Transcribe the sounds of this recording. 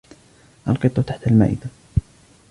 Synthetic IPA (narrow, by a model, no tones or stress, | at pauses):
ʔɑlqɨt̪ˤːɑt̪aħt̪alma̰ːʔɪ̰d̪a